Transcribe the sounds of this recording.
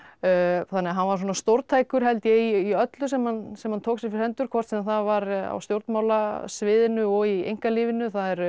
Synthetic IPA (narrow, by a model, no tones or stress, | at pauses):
θanːɛːaɦanvaɾs̬ɔnast̪owɾt̪ʰaːjkʏɾ̥ɦɛlt̪jɛiiœt̪lʏs̬ɛmhansɛmhant̪ʰoːksɪɾfɪɾɛnt̪ʏɾ̥kʰvɔr̥t̪siːðanθaðvaɾa̰wst̪jowɾt̪maːwlasvɪːðɪnʏɔɣiḛjŋkaliːvɪnʏθaðɛɾ